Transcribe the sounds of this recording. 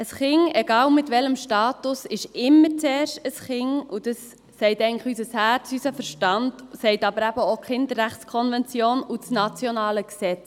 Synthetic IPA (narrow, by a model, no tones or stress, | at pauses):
əsχɪŋɛɡɑːlmɪtʋɛləmʃtɑːtʊsɪʃɪmːəɾt͡sɛːɾʃtəsχɪŋud̥ɑsː | ɛɪtɛɪŋlɪχysəshæːɾt͡sysəfəɾʃtɑndsɛɪtɑbəɾæbəokχɪndəɾːæχskʰɔnvɛnt͡sjoːnut͡snɑt͡sjonɑːləksɛt͡s